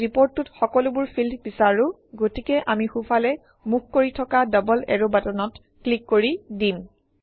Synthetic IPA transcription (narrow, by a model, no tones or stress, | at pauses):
ɹipoɹtːutxɔkɔlʊbʊɹpʰildbisaɹʊ̃ | ɡotikɛʔamixufʰalɛ | muk̚ʰkoɹitʰɔkadɔbɔlɛ̰ɹobatɔnɔt | klikːoɹidim